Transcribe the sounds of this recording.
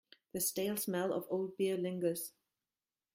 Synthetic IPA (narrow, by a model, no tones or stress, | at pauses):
ðəsteɪlˠsmɛlˠɔ̰voʊlˠd̚biəlɪ̃ŋɡə˞z̥